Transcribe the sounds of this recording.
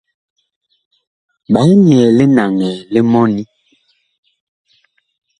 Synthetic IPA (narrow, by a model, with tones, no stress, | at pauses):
ɓa˨˦ni˨ɛ˨le˦na˨ŋɛ˨le˦mɔ˦ni˦